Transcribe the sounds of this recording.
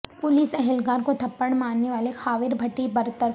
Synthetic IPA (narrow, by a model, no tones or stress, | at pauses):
pʊliːsɛɦɛlɡaːɾkot̪ʰɐpːəɽ̃maːnːeʋaːlexaːʋɪɾbʱɐʈːibɐɾt̪əɾ